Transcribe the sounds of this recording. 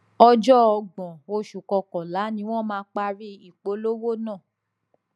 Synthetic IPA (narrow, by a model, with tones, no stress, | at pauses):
ɔ˧d͡ʒɔ˦ɔ˧ɡ͡bɔ̃˨o˧ʃu˨kɔ˧kɔ̃˨la˨˦nĩ˧˦w̃ɔ̃˦˨mãː˦k͡pa˧ɾi˦i˦˨k͡po˨˦lo˦wo˦nã˦˨